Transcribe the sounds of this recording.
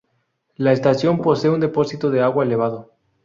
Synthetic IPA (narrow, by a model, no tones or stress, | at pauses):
laest̪asjo̞mpo̞seund̪e̞po̞sit̪oðeaɣwaele̞β̞að̞o